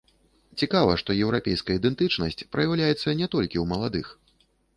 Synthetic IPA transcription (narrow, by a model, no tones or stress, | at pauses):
t͡sʲikavɐʂt̪ɔjɛwɾapʲɛjskɐjəid̪ɛnt̪ɨt͡ʂnɐsʲt͡sʲpɾɐjawlʲajɛt̪sːɐnʲɛt̪ɔlʲkʲiwmɐlˠad̪ɨx